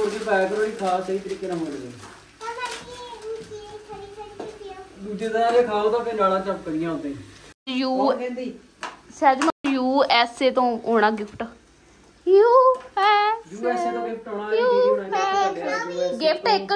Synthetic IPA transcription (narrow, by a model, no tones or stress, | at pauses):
oɾkeːpɛːkɾoːiːkʰaːsəiːt̪əɾiːkːeːnãːməed̪ẽːi | d̪ud͡ʒeːd̪aaːɾeːkʰaːoːt̪ãːpʰɪɾlaːlãːt͡ʃəpkəɾɪjãːɦõːd̪ẽːjuːkɛ̃ːnd̪iː | sɛːd͡ʒmajuːɛːseːt̪õːoːɽ̃aːɡɪpʰʈː | ju | juːɛːseːt̪õːɡɪpʰʈoːnaːuːa | ɡɪpʰʈɪkː